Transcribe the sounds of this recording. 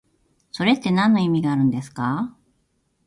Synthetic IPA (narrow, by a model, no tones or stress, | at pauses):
so̞ɾe̞t̪ːe̞nãnːo̞imʲiɡaːɾɯ̟̃nd̪e̞sɨ̥ka